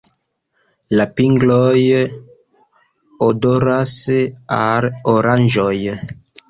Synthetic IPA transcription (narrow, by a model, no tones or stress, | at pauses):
lapiŋɡloj | odoɾasaloɾand͡ʒoj